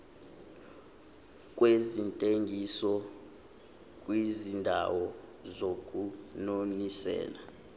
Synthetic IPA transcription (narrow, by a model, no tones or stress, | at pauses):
k̬ʼwezintʼeŋɡʱisɔ | kʼwizindʱa̰wɔzok̬ʼunonisɛ̰ːla